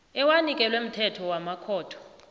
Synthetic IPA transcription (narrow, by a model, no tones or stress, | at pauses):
ɛwanikʼɛlwem̩tʰɛtʰɔwamakʰɔːtʰɔ̥